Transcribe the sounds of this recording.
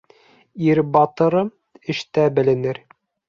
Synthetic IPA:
iɾbɑt̪ɤ̆ɾɤ | ɘ̆ʃt̪æbɘ̆lɘ̆nɘɾ

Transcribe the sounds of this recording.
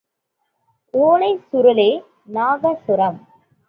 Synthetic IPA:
ʔoːlɐɪsʊɾɯleː | naːɣɐsʊɾɐm

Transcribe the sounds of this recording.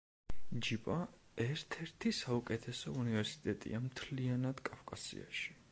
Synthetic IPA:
d͡ʒipʼaɛɾt̪ʰɛɾt̪ʰisaukʼɛt̪ʰɛsɔunivɛɾsi̥t̪ʼɛt̪ʼḭamt̪ʰlianad̪̥kʼafkʼasḭa̰ʃi̥

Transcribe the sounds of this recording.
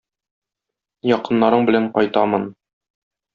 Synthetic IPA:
jɒqɤ̆nːɑɾɤɴbɘ̆læɴqɒjt̪ɑmɤn

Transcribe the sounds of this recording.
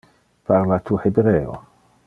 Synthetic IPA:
paɾlat̪uːħɪbɾɛːɔ̰

